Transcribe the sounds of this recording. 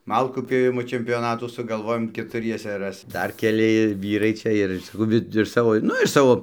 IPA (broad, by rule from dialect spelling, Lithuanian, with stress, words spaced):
ˈmɐlˠkuː pʲjoːˈʋʲɪmoː t͡ʃʲɛmʲpʲoːˈnɑːtuː sʊɡɐlˠˈʋoːjoːm kʲɛtʊˈrʲiɛsɐ ˈrɐs ˈdɐr kʲɛˈlʲɪ ˈʋʲiːrɐɪ ˈt͡ʃʲɛ ɪr sɐˈkɐʊ ˈʋʲɪ ɪʃ ˈsɑːʋoː ˈnʊ ɪʃ ˈsɑːʋoː